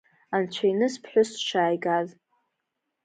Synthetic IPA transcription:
ant͡ɕʷʰainɨspʰħʷᶣʊsʃaːjɡaz

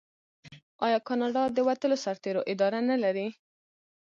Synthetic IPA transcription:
ɑjɑkɑnɑɖɑd̪əwat̪əlosaɾt̪eɾoʔɪd̪ɑɾanalaɾi

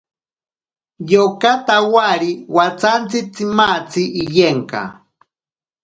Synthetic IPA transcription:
jokat̪awaɾiwat͡sant͡sɪt͡simat͡siːjeŋka̰

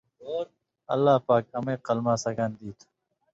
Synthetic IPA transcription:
oːɾ | ɐ̰lːaːpaːk̚ɐmẽːqəlmaːsɐkand̪iːt̪ʰː

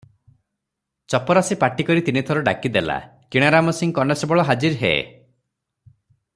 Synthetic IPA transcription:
t͡ʃɔpɔɾasipaʈikɔɾit̪init̪ʰɔɾɔɖakid̪ela̰kiɽ̃aɾamɔsiŋkɔnesɔbɔɭɔɦad͡ʒiɾɦḛḛ

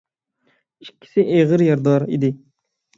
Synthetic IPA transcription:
ikʲʰːi̥sɪʔeʁəɾjɑɾd̪ɑɾḭd̪ɪ

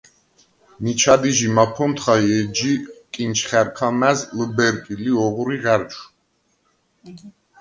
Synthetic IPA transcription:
nit͡ʃʰad̪iʒimapʰɔnt̪χajɛd͡ʒikʼint͡ʃʰχɛɾkʰamæzləbɛɾkʼiliɔʁuɾiʁɛɾt͡ʃʰ

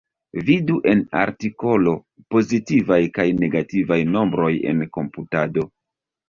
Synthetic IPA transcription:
viduʔe̞na̰ɾtiko̞lo̞ | po̞zitivajkajne̞ɡativajno̞mbɾo̞je̞̰nko̞mputado̞

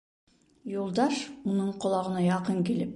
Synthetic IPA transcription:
jolˠd̪ɑʃmunɤɴqʰŏlˠɑʁɤ̆nɑjɑqɤŋkilɪp̚

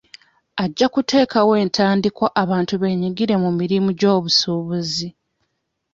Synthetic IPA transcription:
aɟːakute̞ːkawe̞ːntʰaːndikwaʔaβaːntuβe̞ːɲiɡiɾe̞mumiɾimuɟo̞ːβusuːβuzi

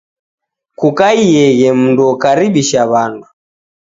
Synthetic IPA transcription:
kukaiɛɣɛm̩nduɔkaɾiɓiʃaβandu

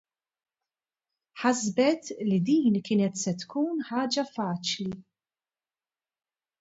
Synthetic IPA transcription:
ħɐzbɛt̪lid̪iːnkɪːnɛt̪sɛt̪kuːnħɐːd͡ʒɐfɐːt͡ʃli

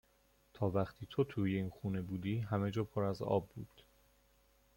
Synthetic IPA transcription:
t̪ʰɒːvæχt̪ʰiːt̪ʰo̞t̪ʰuːjeinxuːne̞buːd̪iːɦæme̞d͡ʒɒːpʰoɾæzɒ̰ːbːuːd̪̥

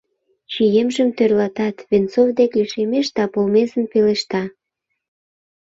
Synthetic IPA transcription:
t͡ɕijemʒəmt̪ørlɑt̪ɑt̪βent͡sovd̪ekliʃemeʃd̪ɑpolmezənpeleʃt̪ɑ

